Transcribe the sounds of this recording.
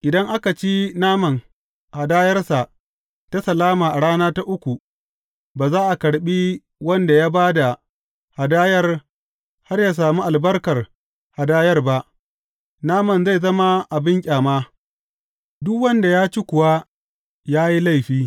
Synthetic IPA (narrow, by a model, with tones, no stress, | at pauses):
ʔɪ˨dɐ˦ŋʔa˦ka˨t͡ʃi˦naː˦mɐ˨n | ha˨daː˦jɐ˦rsa˨ʔ | ta˦sɐ˨laː˦maː˨ʔa˨ɽaː˦naː˦ta˦ʔʊ˦kʷu˨ | baː˨zaː˦ʔa˨kɐ˨ɽɓiː˦ | wɐ˦nda˨jaː˦baː˦da˨ | ha˨daː˦jɐ˦r | ha˦rjaː˨s̬aː˨mu˦ʔa˨lbɐ˦rkɐ˨r | ha˨daː˦jɐ˦rba˦ʔ | naː˦mɐ˨nza˦˨zɐ˦ma˦ʔa˨bɪ˦ŋkʲʼaː˨maː˦ | dʊ˦kwɐ˦nda˨jaː˦t͡ʃi˦kʷʊ˨wa˦ | jaː˦ji˦la˦˨jɸiː˦